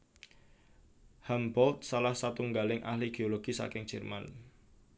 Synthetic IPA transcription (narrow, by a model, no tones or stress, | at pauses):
hambɔlt̪̚salahsat̪uŋɡalɪŋʔa̰hliɡ̥eoloɡ̥isa̰kɪŋd͡ʒ̥ɛrma̰n